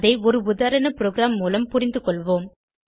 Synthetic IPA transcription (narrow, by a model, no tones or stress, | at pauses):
ðɐɪɔɾɯʊðaːɾɐɳɐpɪɾoːɡɪɾaːmːuːlɐmpʊɾɪnd̪ɯkɔɭʋoːm